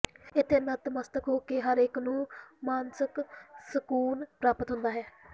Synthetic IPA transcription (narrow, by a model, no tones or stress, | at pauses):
ɪt̪ʰːeːmət̪məst̪əkɦoːkeɦəɾɪknũːmaːnsəksəkuːnpɾaːpət̪ɦʊnd̪aːɦɛː